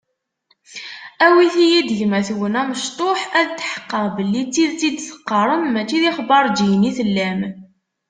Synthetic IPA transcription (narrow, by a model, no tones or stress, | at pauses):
æwiθijid̪əʝmæθwənæməʃt̪ˤoħæðt͡s̪ːħə̥qːəʁbəlːit͡sːiðt͡sid̪θə̥qːəɾˤəmːæt͡ʃːiðiχbɑɾˤd͡ʒijniθəlːæm